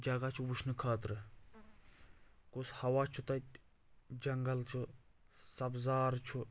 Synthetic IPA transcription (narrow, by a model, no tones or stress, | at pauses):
d͡ʒɐɡat͡ʃʰuwuʃʰnɨkʰaːt̪ɾɨ | kushɐwaːt͡ʃʰut̪ɐt̪ | d͡ʒɐŋɡɐlt͡ʃʰu | sɐbzaːɾt͡ʃʰu